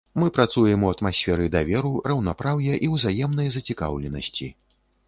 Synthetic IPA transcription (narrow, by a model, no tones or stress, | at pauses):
mɨpɾat̪sujɛmuɐt̪masʲfʲɛɾɨd̪avʲɛɾurɐwnapɾawjɐʔiwzajɛmnɐjɐzɐt͡sʲika̰wlʲɛnɐ̰sʲt͡sʲi